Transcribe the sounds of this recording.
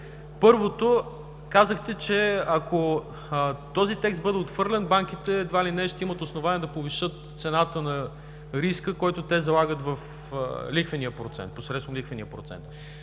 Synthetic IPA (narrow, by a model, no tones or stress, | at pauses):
pɤɾvot̪o | kazəxt̪ɛt͡ʃɛɐko | t̪ɔzit̪ɛkst̪bɤd̪ɛot̪fvɤɾlʲɛnbaŋk̟it̪ɛd̪vailinɛʃt̪ɛimət̪osnovaniɛd̪ɐpoviʃɤt̪t̪sɛnat̪ənɐ | ɾiskəkɔjt̪ʊt̪ɛzɐlˠaɡət̪vɐf | likvɐniəpɾot̪sɛ̰nt̪̚posɾɛt̪st̪vomlikvənijəpɾot̪sɛ̰nt̪